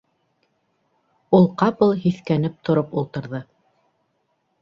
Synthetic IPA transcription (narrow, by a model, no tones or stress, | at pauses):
ulˠqɑpɤlˠɦiθkænɘp̚t̪ʰŏɾopulˠt̪ɤ̆ɾðɤ